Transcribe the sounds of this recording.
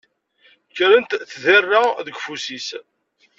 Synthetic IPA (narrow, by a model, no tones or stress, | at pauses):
kːɾənt̪θðərːaðəɡfusis